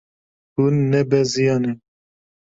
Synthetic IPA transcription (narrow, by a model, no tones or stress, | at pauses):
hunːɛbɛzijɑnɛ